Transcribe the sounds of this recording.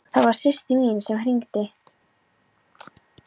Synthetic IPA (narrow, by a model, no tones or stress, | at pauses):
θaðvaɾ̥sɪr̥t̪imiːnsɛmɾiŋkt̪ɪ